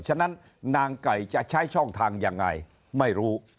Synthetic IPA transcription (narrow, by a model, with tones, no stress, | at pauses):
t͡ɕʰa˧˨na˦˥n | naː˧ŋka˨˩jt͡ɕa˧ʔt͡ɕʰa˦˥jt͡ɕʰɔ˥˩ŋt̪ʰaː˧ŋjaː˧ŋːa̰˧j | ma˥˩jɾuː˦˥